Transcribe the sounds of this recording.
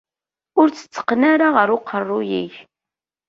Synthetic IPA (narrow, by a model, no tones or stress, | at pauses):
ʊɾt͡sːə̥t͡sːə̥qːnaɾaʁəɾʊqʰːərˤːʊjḭç